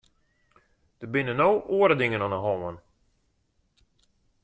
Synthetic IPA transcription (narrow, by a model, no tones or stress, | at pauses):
d̥əbɪnənowʔuːəɾədɪŋənɔnəɦɔmən